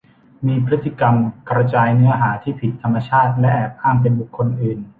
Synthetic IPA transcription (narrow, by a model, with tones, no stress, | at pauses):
miː˧pʰɾɯ˦˥t̪ːi˨˧˩ka˧mkɾa˧t͡ɕaː˧jnɯ˦˥ɐɦaː˩˦t̪ʰiː˥˩pʰi˨˩t̪ʰːa˧mːa˧t͡ɕʰaː˥˩t̪̚lɛ˦˥ʔɛː˨˩p̚ʔaː˥˩ŋp̬e˧nbu˨˩kʰːo˧nʔɯː˨˩n